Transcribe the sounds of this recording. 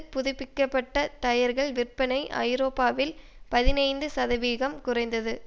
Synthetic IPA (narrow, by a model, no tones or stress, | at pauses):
pʊðɪpːɪkːɐpːɐʈːɐt̪ɐjɐɾɣɐɭʋɪrpɐnɐɪʔɐ̰ɪɾoːpːaːʋɪlpɐðɪnɐɪnd̪ɯsɐðɐʋiːɣɐmkʊrɐɪnd̪ɐðɯ